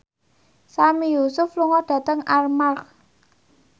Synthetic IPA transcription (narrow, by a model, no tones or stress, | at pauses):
samijusʊfluŋɔɖ̥ä̤t̪əŋarmar